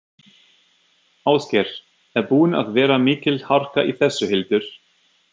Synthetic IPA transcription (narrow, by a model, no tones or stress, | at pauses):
aːwscɛɾ̥ | ɛɾpuːna̰ðvɛːɾamɪːcɪlhar̥kaʔiθɛsːʏhɪlt̪ʏɾ̥